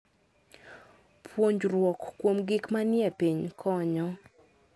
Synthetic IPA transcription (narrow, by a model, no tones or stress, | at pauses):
pʰwoɲd͡ʒrwɔkːwomɡɪkmanjɛpiɲkʰɔɲɔ